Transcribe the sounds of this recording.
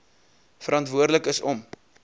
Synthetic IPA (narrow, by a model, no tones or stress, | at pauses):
fəɾɑntvuərdələkəsɔm